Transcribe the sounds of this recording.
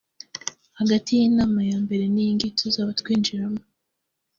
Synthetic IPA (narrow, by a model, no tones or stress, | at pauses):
haɡatijinaːmajaːmbe̞ɾe̞nijiŋɡitʰozaβatkwiːnd͡ʒiɾamo